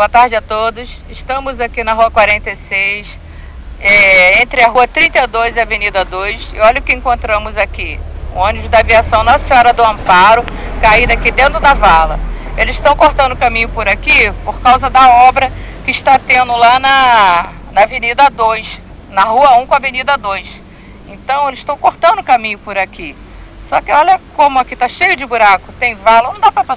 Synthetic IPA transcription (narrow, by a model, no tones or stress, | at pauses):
boɐt̪aɾd͡ʒɪat̪od̪ʊs | ɪʃt̪ɐ̃mʊzakinɐɦuɐkwaɾẽnt̪ejsejs | ɛẽnt̪ɾɪɐɦuɐt̪ɾĩt̪ɐad̪ojzɪavenid̪ɐd̪ojsɪ̰ɔʎʊkɪẽŋkõnt̪ɾɐ̃mʊzakiṵ̃õnibʊd̪aviasɐ̃w̃nɐsɔɾɐd̪ʊɐ̃mpaɾʊkaid̪akid̪ẽnt̪ɾʊd̪ɐvalɐelɪzɪʃt̪ɐ̃w̃koht̪ɐ̃d̪ʊkãmĩɲʊpʊɾakipoɾkawzɐd̪ɐɔbɾɐkɪɪʃt̪at̪ẽnd̪ʊlanɐ | nɐvenid̪ɐd̪ojs | nɐɦuɐũkõɐvenid̪ɐd̪ojs | ẽnt̪ɐ̃w̃elɪz̥ɪʃt̪ɐ̃w̃koɾt̪ɐ̃nd̪ʊkamĩɲʊpʊɾaki | sɔkɪɔlɐkõmʊakit̪aʃejʊd͡ʒɪbuɾakʊt̪ẽj̃valɐnɐ̃d̪apɾɐpɾ